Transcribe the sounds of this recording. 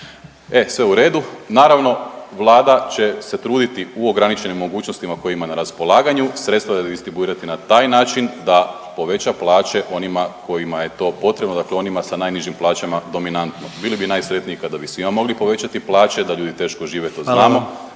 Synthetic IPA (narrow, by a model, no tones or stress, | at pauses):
e̞sʋe̞uɾe̞ːd̪unaːɾaʋno̞ʋlˠaːd̪at͡ɕe̞se̞t̪ɾuːd̪it̪iuoɡɾanit͡ɕe̞nimːo̞ɡuːt͡ɕnost̪imako̞jimanaɾaspo̞lˠaːɡaɲusɾe̞t̪st̪ʋad̪ad̪ist̪ɾibuiːɾat̪inat̪aːjnaːt͡ʃind̪a | po̞ʋe̞t͡ɕaplˠaːt͡ɕe̞ʔo̞nimako̞jimaje̞t̪o̞ːpo̞t̪ɾebnod̪akleo̞nimasanajniʒimplˠaːt͡ɕamad̪o̞minant̪no̞bilibinaːjsɾe̞t̪niikad̪abisʋimamo̞ɡlipo̞ʋe̞t͡ɕat̪iplˠaːt͡ɕe̞d̪aʎuːd̪it̪e̞ːʃkoʒiːʋet̪o̞znaːmo̞